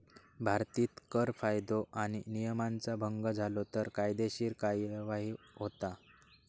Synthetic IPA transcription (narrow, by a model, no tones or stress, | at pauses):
bʱaɾt̪iːt̪kəɾfajd̪oʔaɽ̃inijəmant͡sabʱəŋɡəd͡zʱalot̪əɾkajd̪eɕiːɾkajʋaɦiːɦot̪a